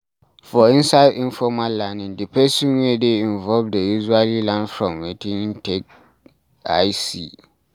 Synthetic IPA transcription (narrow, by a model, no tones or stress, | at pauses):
fɔĩnsaɪdĩnfɔmalːãnɪ̃ndɪpʰɛsĩnedeĩɱvɔlvdejuʒualilãnfɹɔ̃mwetʰĩŋtʰek̚ | ajsi